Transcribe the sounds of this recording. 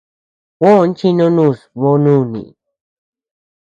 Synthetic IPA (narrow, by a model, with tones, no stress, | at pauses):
wõ˦˨˧n˦t͡ʃi˦nõ˦nũ˦˨smo˦nũ˦˨nḭ̃˨